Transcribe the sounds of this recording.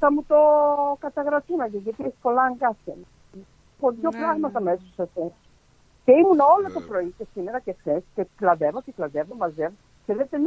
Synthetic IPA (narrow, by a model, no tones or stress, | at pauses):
θɐmut̪okɐt̪ɐɣɾɐt̪unɐʝeʝɐt̪iesi̥po̞lɐŋɡɐsen | poðʝopɾɐɣmɐt̪ɐmesosɐses | ceimuno̞lot̪ɐpɾo̞icesimeɾɐcexθesceklɐðevoceklɐðevomɐzev | seðet̪en